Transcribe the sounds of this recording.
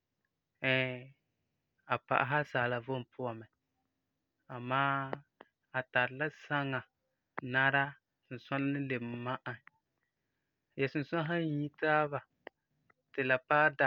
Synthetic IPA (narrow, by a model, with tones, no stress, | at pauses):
ɛ˨ | a˨pa̰˨ʔa̰˨ɦa˦saː˨la˨vo˦m˨pʰʊ˦a˨mɛ˨ | a˨maː˦ | a˨ta˨ɾɨ˨la˦sa˦ŋːa˨ | na˦ɾa˦ | sʊ˨n̩˨sa˦n˦nɨ˦le˨m˨˦ma˦ʔa˨ | jɛ˨sʊ˨n˨sa˦ɦa˦ɲ˦ɲi˦taː˦βa˨ | tɨ˨la˨paː˦da˨